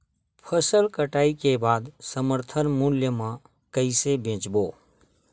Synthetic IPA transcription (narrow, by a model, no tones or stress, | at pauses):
pʰəsəlkəʈaːikebaːd̪səməɾt̪ʰənmʊljəmã | kəɪsebʱẽːt͡ʃboː